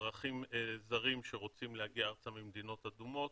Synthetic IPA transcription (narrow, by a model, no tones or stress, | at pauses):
ʁaχimzaʁimʃeʁo̞t͡simlehaɡiaaʁt͡samimd̪ino̞t̪ad̪umo̞t̪